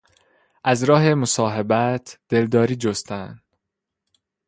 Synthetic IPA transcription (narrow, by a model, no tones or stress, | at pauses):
ʔæzɾɒːɦe̞mosɒːɦebæt̪ʰd̪̥e̞ld̪ɒːɾiːd͡ʒost̪ʰænd̪̥